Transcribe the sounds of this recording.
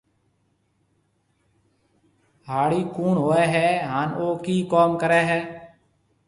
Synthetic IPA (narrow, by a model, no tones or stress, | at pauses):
ɦaːɽiːkuːnɦoːɛːɦɛːɦaːnoːkiːkoːmkəɾɛːɦɛː